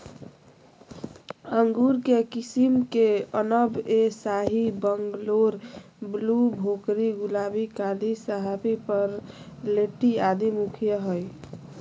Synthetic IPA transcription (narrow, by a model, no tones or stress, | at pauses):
əŋɡuɾkekisimkeənəbesaɦibəŋɡloɾ | blubʱokɾiɡulabikalisəɦapipəɾleʈiad̪imukʰijəɦoj